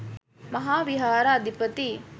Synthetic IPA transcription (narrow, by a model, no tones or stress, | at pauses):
mɐɦaːʋiɦaːɾaːd̪ʱipət̪i